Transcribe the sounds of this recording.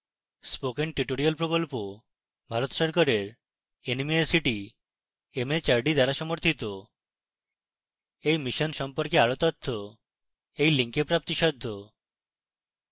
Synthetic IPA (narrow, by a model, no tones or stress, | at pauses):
spokenʈiʈoɾialpɾokolpo | bʱaɾot̪ʃɔɾkaɾeɾ | enimiesiʈi | emet͡ɕaɾɖid̪ʱaɾaʃɔmoɾt̪ʰit̪o | ejmiʃɔnʃɔmpɔɾkeaɾot̪ɔt̪ʰːo | ejliŋkepɾap̚t̪iʃɔd̪ʱːo